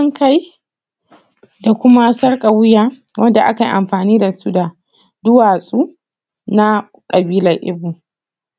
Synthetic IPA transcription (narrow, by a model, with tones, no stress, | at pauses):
ŋka˦j | da˨kʷʊ˦ma˦sɐ˦rkʼa˨wʊ˦jaː˦ | wʔɐ˦nda˨ʔa̰˦ka˨jʔa˨mɸaː˨niː˦da˨su˦da˨ | dʊ˦waː˨sʼu˦ | na˦ | kʼɐ˨biː˦lɐ˨rʔɪ̰˦bu˨